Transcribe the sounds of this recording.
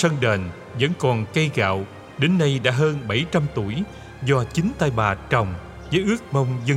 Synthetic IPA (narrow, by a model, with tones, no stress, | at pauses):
sə˧nɗeː˨˩n | və̰˧˥nkɔ˨˩nkə˧jɣa̰ː˧˨w | ɗe˨˦nːa˧jɗa̰ː˧˥ɦəː˧nɓa˧˩jt͡ɕa˧mt̪u˧˩əj | zɔ˧t͡ɕï˨˦ŋ̟t̪aː˧jɓaː˨˩t͡ɕə˨˩wŋ͡m | zəː˨˦jʔɨ˦˥ək̚mə˧wŋ͡mzə˧